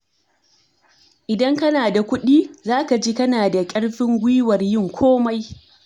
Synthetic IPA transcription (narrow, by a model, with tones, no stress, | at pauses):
ʔɪ˨dɐ˦ŋkɐ˦naː˨da˨kʷʊ˦ɗiː˦zaː˦ka˨d͡ʒiː˦kɐ˦naː˨da˨kʲʼɐ˦ɽɸɪ˦ŋɡʷiː˦wɐ˨rjɪ˦˨ŋkʷʰoː˦ma˦j